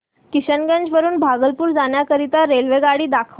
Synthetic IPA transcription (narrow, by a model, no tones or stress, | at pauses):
kiɕənɡəɲd͡ʑʋəɾuːnbʱaɡəlpuːɾd͡zaɳjakəɾit̪aɾelʋeɡaɽiːd̪akʰəʋ